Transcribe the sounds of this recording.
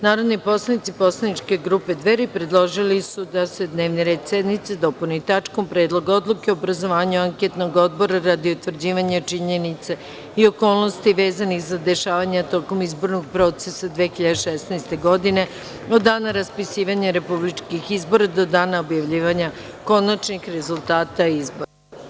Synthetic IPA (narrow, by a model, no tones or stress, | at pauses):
naːɾo̞d̪nipo̞slˠanit̪sipo̞slˠanit͡ʃke̞ɡɾupe̞d̪ʋeɾipɾe̞d̪lˠo̞ʒilisud̪ase̞d̪ne̞ːʋniɾe̞ːd̪sed̪nit̪sed̪o̞punit̪at͡ʃko̞mpɾe̞ːd̪lˠo̞ɡo̞d̪lˠukeoobɾazo̞ʋaːɲuaŋket̪no̞ɡo̞d̪bo̞ɾaɾad̪iut̪ʋr̩d͡ʑiːʋaɲat͡ʃiɲenit̪se | io̞ko̞ːlˠno̞st̪iʋe̞ːzanixzad̪e̞ʃaːʋaɲat̪o̞ko̞mizbo̞ɾnoɡ̚pɾo̞t̪sesad̪ʋexiʎad̪eʃesnɛjst̪e̞ɡo̞d̪ine̞ | od̪ːaːnaɾaspisiːʋaɲeɾepublit͡ʃkixizbo̞ɾad̪o̞d̪aːnaobjaʋʎiːʋaɲa | ko̞nat͡ʃnixɾe̞zulˠt̪aːt̪aizbo̞ɾa